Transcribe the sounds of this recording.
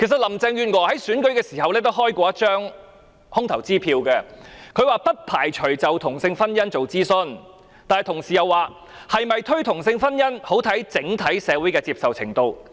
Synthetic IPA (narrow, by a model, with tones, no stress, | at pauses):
kʰe˨˩sɐ˨t̚lɐ˨˩mt͡sɛ˧ŋjyː˧nwɔː˨˩hɐ˨˥jsyː˨˥nkɵ˨˥ɥkɛː˧siː˨˩hɐ˨wlɛː˥t̪o˥wɦɔː˥jkʷɔː˧jɐ˥t̚t͡ʃœː˥ŋ | hʊ˥ŋt̪ʰɐ˨˩wt͡siː˥pʰiː˧wkɛː˧kʰɵ˨˧ɥwaː˨pɐ˥t̚pʰaː˨˩jt͡ʃʰɵ˨˩ɥt͡sɐ˨wt̪ʰʊ˨˩ŋsɪ˧ŋfɐ˥njɐ˥nt͡so˨wt͡siː˥sɵ˧n | t̪aː˨nhɐ˨jt̪ʰʊ˨˩ŋsiː˨jɐ˨˧wːaː˨˧ | hɐ˨jmɐ˨jt̪ʰɵ˥ɥt̪ʰʊ˨˩ŋsɪ˧ŋfɐ˥njɐ˥nho˨˥wt̪ʰɐ˨˥jt͡sɪ˨˥ŋt̪ʰɐ˨˥jsɛː˨˧wuː˨˥jkɛː˧t͡siː˧psɐ˨wt͡sʰɪ̰˨˩ŋt̪o˧w